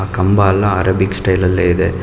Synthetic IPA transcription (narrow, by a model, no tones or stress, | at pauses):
ɐkɐmbaːlːãːɐɾɐbɪksʈɐɪlɐlːɐɪðɯ